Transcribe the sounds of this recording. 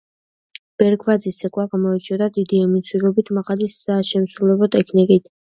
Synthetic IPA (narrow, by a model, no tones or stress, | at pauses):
b̥ɛɾkʰvad̪zisɛkʼwaɡamɔɛt͡ʃʰɔd̪ad̪id̪iɛmisʰwiɾɔbit̪ʰmaqʼad̪isːaʃɛmsɾulɛbɔt̪ʼɛkʰnikʼit̪ʰ